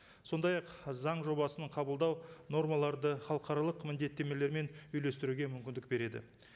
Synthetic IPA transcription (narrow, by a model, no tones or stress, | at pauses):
so̞nd̪ɑjɑqzɑɴʒo̞bɑsəɴqʰɑbəlˠd̪ɑwno̞ɾmɑlˠɑɾd̪əχɑlˠəqɑɾɑlˠəqmɪnd̪e̞t̪ːe̞me̞le̞ɾme̞nʏjle̞st̪ɪɾuɡʲe̞mʏmkʲɪnd̪ɪk̚be̞ɾe̞d̪ɪ̰